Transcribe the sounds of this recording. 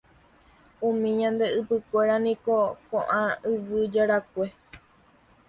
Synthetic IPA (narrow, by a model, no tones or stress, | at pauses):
ũmĩɲãnd̪e̞ɨpɨkʷe̞ɾanĩko̞kõʔãɨʋɨd͡ʒaɾakʷe̞